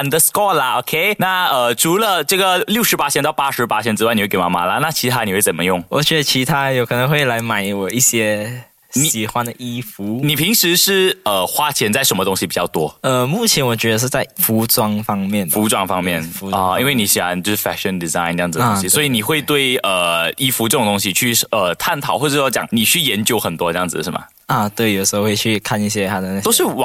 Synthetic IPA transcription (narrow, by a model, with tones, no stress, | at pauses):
ə˨nd̪ə˧skɔ˥˩lə˨o˨˩kʰe˥˧ɪna˥˩ə˧˩ʈ͡ʂʰu˧˥lə˧ʈ͡ʂɤ˥˩ɡə˩ljʊʂɻ̩˧˥pa˥ɕʰjɛ˥nt̪ɑ˥˧ʊpa˥ʂɻ̩˧˥pa˥ɕʰjɛ˧˥nʈ͡ʂɻ̩˥a˥˩ni˨˧˥kɪma̰˨˥˩ma̰˧˥lə˧na˥˩t͡ɕʰi˧˥t̪ʰa˥n˨˩we˥˩t͡sə˨˩nmə˦jʊ˥˩ŋwɔ̰˨˩t͡ɕɥɛ˧˦˥d̪ə˧t͡ɕʰi˧˥t̪ʰa˥jo˧˥ʊkʰɤ˨˩nə˧˥ŋxwe˥˩ɪla˧˥ɪma˨˩ɪwɔ˨˩i˥˩ɕjɛ˥ | ɕi˨i˨˩xwa˦nd̪ə˨˩ʔi˥fu˧˥ni˨˩pʰi˧˥ŋʂɻ̩˧˥ʂɻ̩˥˩ə˧˩xwa˥t͡ɕʰjɛ˧˥nt͡sa˥˩ɪʂə˧˥nmə˧ʊ˥ŋɕi˧pi˨˩t͡ɕjɑ˥˩ʊt̪wɔ˥ə˧mu˥˩t͡ɕʰjɛ˧˥nwɔ˨˩t͡ɕɥɛ˧˥d̪ə˧ʂ̬ɻ̩˥˧t͡sa˥˩ɪfu˧˥ʈ͡ʂwɑ˥ŋfɑ˥ŋmjɛ˥˩nfu˧˥ʈ͡ʂwɑ˥ŋfɑ˥ŋmjɛ˥˨˩nfu˧˦˥i˥nwe˥˩ɪni˨˧˥ɕi˨˩xwa˧˦nt͡ɕjo˧ʊʂɻ̩˥˩fɛ˥ʂə˨˩nd̪i˨za˥˧ɪnə˥jd͡z̩˨d̪ə˧õ˧˥˧ɕi˨swɔ˧˥i˧˥ni˨˩xwe˥˧ɪt̪we˥˩ɪə˩i˥fu˧˥ʈ͡ʂɤ˥˩ʈ͡ʂŋt̪ʊ˥ŋɕi˧t͡ɕʰy˥˩ə˧t̪ʰa˥˩nt̪ʰɑ˨˩ʊxwɔ˥˧˩ʈ͡ʂə˥jt͡ɕjɑ̰˨˩˦ŋni˨˩t͡ɕʰy˥˩jɛ˧˥nt͡ɕjo˧˥ʊxə˨˩nt̪wɔ˥ʈ͡ʂə˧jɑ˥˩ŋd͡zɹ̩˨˩ʂɻ̩˥˩mɐ̰˨˩ | ə˩t̪we˥˩ɪjo˨˩ʂ̩˧xo˥˧xwe˥˧ɪt͡ɕʰy˥˩kʰa˥˧ni˥˩ɕjɛ˥t̪ʰa˥d̪ə˨na˥˧˩to˥ʂɻ̩˥˩w